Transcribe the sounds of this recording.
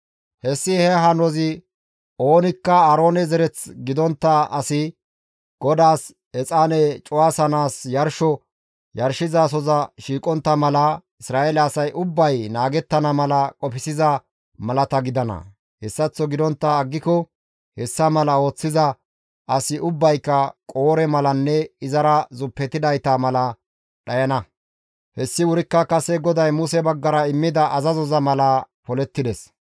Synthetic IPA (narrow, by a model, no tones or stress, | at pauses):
hɛsːɪhɛɦɐnɔzɪ | o̞ːnɪkːɐɐɾo̞ːnɛzɛɾɛt͡sɡɪd̪ɔnt̪ːɐɐsɪ | ɡ̥ɔd̪aːs | ɛt͡sʼaːnɛt͡ʃʼʊwaːsɐnaːsjɐɾʃɔ | jɐɾʃɪzas̬ɔzɐʃiːkʼɔnt̪ːɐmɐlɐ | ɪsɾaːelɛɐsɐjʔʊbːɐjnaːɡɛt̪ːɐnɐmɐlɐkʼɔpɪsɪzɐ | mɐlɐt̪ɐɡɪd̪ɐnɐ̰ | hɛsːɐt͡sːɔɡɪd̪ɔnt̪ːɐːɡːɪkɔ | hɛsːɐmɐlɐo̞ːt͡sːɪzɐ | ʔɐsɪʔʊbːɐjkːɐkʼo̞ːɾɛmɐlɐnːɛɪzɐɾɐzʊpːɛt̪ːɪd̪ɐjt̪ɐmɐlɐ | ɗɐjɐnɐ | hɛsːɪwʊɾɪkːɐkɐsɛɡɔd̪ɐjmʊsɛbɐɡːɐɾɐɪmːɪd̪ɐʔɐzɐzɔzɐmɐlɐ | pɔlɛt̪ːɪd̪ɛs